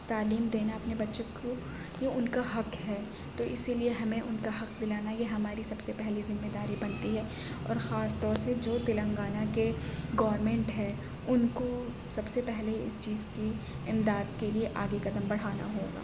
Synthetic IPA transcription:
t̪aːliːmd̪eːnaɐpnebɐtːʃoko | jeʊnkaɦɐqɦɛː | t̪oʔɪsilieɦɐmẽʔʊnkaɦɐqd̪ɪlaːnajeɦɐmaːɾisɐbsepɛɦlizɪmːed̪aːɾibɐnt̪iɦɛː | ɔ̰ːɾxaːst̪ɔːɾsed͡ʒoːt̪ɪlə̃ŋɡaːnakeɡɐːʋɾmɛ̃ɳʈɦɛː | ʊnko | sɐbsepɛɦleɪst͡ʃiːzki | ɪmd̪aːd̪kelieʔaːɡekɐd̪əmbɐɽ̤aːna̰ɦoːɡa̰ː

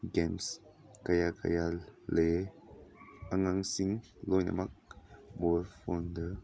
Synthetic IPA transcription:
ɡɛns | kajaka̰jale | aŋaŋsiŋ | lɔjna̰mak̚bɔɾfɔndə

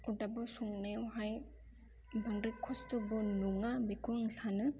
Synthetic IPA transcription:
udabɔsuŋnewɦaj | baŋɾɯkʰɔstɯbunuŋabekʰuŋsanɯ

